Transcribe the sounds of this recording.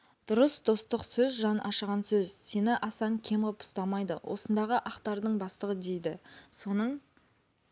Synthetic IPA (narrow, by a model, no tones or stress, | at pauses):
d̪̥ʊɾəsd̪o̞st̪əqsɵzʒɑnʔɑʃəʁɑnsɵzse̞nɪʔɑsɑɴkʲʰe̞mʁəpʰʊ̥st̪ɑmɑjd̪əwʔo̞̰sənd̪ɑʁəʔɑqt̪ɑɾd̪əɴbɑst̪əʁəd̪e̞jd̪ɪso̞nəɴ